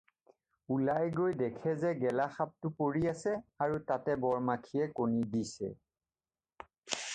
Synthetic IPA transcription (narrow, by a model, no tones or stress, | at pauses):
ulajɡojdɛkʰɛzɛɡɛlaxap̚tʊpoɹiasɛaɹutatɛbɔɹmakʰiɛkonidisɛ̰